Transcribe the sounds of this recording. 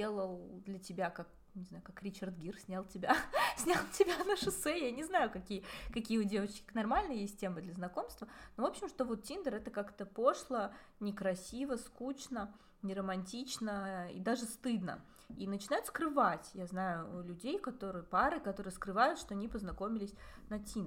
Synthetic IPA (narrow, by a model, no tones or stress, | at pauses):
elˠəlˠd̪lʲətʲɪbʲakak̚ | nʲɪznajʊkakɾʲɪt͡ɕɐrd̪ɡʲirsʲnʲalˠtʲɪbʲasʲnʲalˠtʲɪbʲanəʂɨsɛjanʲɪznajʊkɐkʲijəkɐkʲijəʊdʲe̞vət͡ɕkʲɪ̥nɐrmalʲnɨjjeɪsʲt̚ʲtʲemɨd̪lʲəznɐko̞mst̪vənovo̞pɕɪmʂt̪ovo̞t̪tʲind̪əɾɛt̪əkakt̪əpo̞ʂlˠə | nʲɪkɾɐsʲivəskut͡ɕnə | nʲɪɾəmɐnʲtʲit͡ɕnəḭd̪aʐɨst̪ɨd̪nə̰ | inət͡ɕɪnajʊt̪skɾɨvatʲjaznajʊlʲʉdʲejkɐt̪o̞ɾɨjəpaɾɨkɐt̪o̞ɾɨjəskɾɨvajʊt̪ʂt̪o̞ɐnʲipəznɐko̞mʲɪlʲɪsʲnɐtʲind̪